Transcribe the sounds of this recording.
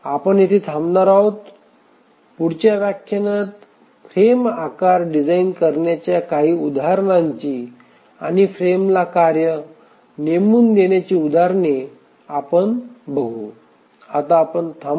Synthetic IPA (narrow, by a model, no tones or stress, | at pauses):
apəɳjit̪ʰet̪ʰamnaɾawt̪ | puɽt͡ɕjaʋjakʰjanət̪ | fɾemakaɾɖid͡zainkəɾɳjat͡ɕjakaɦiːud̪aaɾɳaɲt͡ɕiː | a̰ñifɾemlakaɾjə | nemuːnd̪enjat͡ɕiːud̪ʱaɾne | apəɳbʱəɡʱu | at̪aːpəɳt̪ʰa